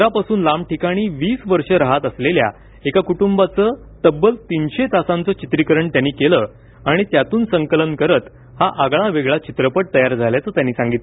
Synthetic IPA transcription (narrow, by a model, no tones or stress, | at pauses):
ɾapasuːnlamʈikaɽ̃iːʋiːsʋəɾʂəɾaɦat̪əslelja̰ | ekakuʈumbat͡səː | t̪əbːəlt̪inɕet̪asãnt͡sət͡ɕit̪ɾikəɾəɳt̪janːiːkelə | aɽ̃it̪jat̪uːnsəŋkələnkəɾət̪ | haʔaɡɭaʋeɡɭat͡ɕit̪ɾəpəʈ̚t̪əjaɾd͡zʱaljat͡səːt̪janːiːsãŋɡit̪l